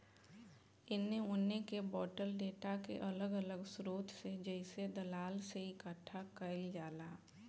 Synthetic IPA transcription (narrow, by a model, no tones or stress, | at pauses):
ɪnːeʊnːekebɔːʈəlɖeːʈakḛʔɐləɡələɡsʊɾoːt̪ʰsed͡ʒɛɪsed̪ɐlaːlseɪkəʈʰːakəɪld͡ʒaːlaː